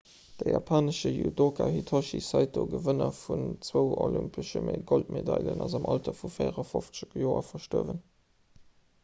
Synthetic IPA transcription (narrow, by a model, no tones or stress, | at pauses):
d̥əjɑpʰaːnəʃəjudokʰahitʰoʃisæɪt̚doːɡəvənɐfunt͡swəʊolympʰəʃəmeɪɡoltmedɑlənɑzɑmʔɑltɐfufeɪʁɐfoft͡səkjoːɐfɐʃtoəvən